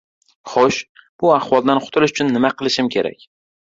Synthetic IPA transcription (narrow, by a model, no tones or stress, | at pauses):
χoʃb̥ʊaχwɒlˠd̪anqʰʊ̥t̪ʰɪlɪʃʊt͡ʃʰʊnːɪmaqʰɨlˠɪʃɪmkʲʰe̞ɾa̰kʲ